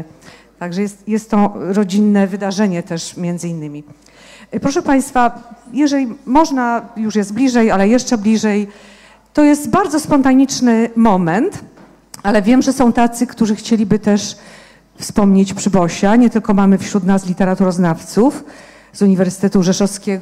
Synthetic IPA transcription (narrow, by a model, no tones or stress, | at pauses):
t̪aɡʐɛjɛst̪jɛst̪ːɔɾɔd͡ʑinːɛvɘd̪aʐɛɲɛt̪ɛʂmʲjɛnd̪zɘinːɘmʲi | pɾɔʂɛpaj̃st̪fajɛʐɛlʲimɔʐnajuʂjɛsd̪̚blʲiʐɛjalɛjɛʂt͡ʂɛblʲiʐɛj | t̪ɔjɛst̪baɾd̪zɔspɔnt̪aɲit͡ʂnɘmɔmɛnt̪ | alɛvʲjɛmʐɛsɔ̃w̃t̪at̪sɘkt̪uʐɘxt͡ɕelʲibɘt̪ɛʂ | fspɔmɲet͡ɕpʂɘbɔɕaɲɛt̪ɘlkɔmamɘfɕɾut̪naslʲit̪ɛɾat̪uɾɔznaft̪suf | zuɲivɛɾsɘ̥t̪ɛt̪uʐɛʂɔfskʲɛɡ